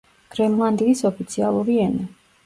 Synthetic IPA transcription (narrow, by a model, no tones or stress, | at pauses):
ɡ̥ɾɛmlˠand̪iisɔpʰit̪sʰia̰lˠuɾiɛnɛ